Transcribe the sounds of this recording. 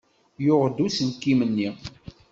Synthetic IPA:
jʊʁd̪usənkːimənːi

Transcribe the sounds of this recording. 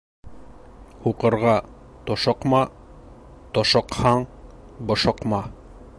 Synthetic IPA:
huqɤ̆ɾʁɑ | t̪oʃɤ̆qmɑ | t̪oʃɤ̆qhɑɴ | bŏʃɤ̆qmɑ

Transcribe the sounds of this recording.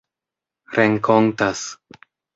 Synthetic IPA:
ɾeŋkontas

